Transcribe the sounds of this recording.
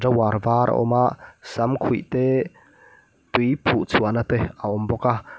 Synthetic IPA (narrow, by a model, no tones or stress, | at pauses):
rawaɾvaɾʔa̰ʔɔ̰maʔsamkʰujt̪e | t̪ujpʰuʔt͡sʰuɐnat̪ɛaɔmbɔka